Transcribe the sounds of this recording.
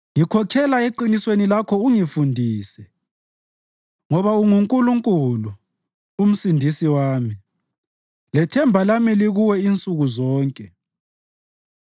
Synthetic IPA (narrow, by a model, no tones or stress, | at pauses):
ŋikʰɔkʰɛlaeǃiniswenilakʰɔuŋifundʱiːsɛ | ŋɔβauŋuŋkʼuluŋkʼulu | um̩sindʱisiwaːmi | lɛtʰɛmbʱalamiliɣuwɛint͡sʼuɣuzɔːŋkʼɛ